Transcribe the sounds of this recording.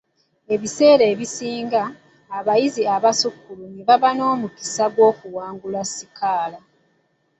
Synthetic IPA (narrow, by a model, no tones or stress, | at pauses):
e̞βise̞ːɾe̞ːβisiːŋɡaː | βajiziaβasukːuluniβaβano̞ːmuki̥saɡwo̞ːkuwaːŋɡulasikaːla